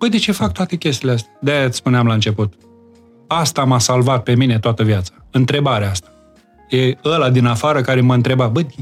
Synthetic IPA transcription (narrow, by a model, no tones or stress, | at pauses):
b̥əjd̪et͡ʃefak̚t̪oat̪e̞kʲes̬t̪ileas̬t̪ad̪aat̪sspuneamlaɨnt͡ʃe̞put̪ | ast̪amasalvat̪̚pe̞mine̞t̪oat̪əvjat̪sḁɨnt̪ɾe̞baɾeaast̪ḁ | jeəlad̪inafaɾəkaɾeməɨnt̪ɾe̞babə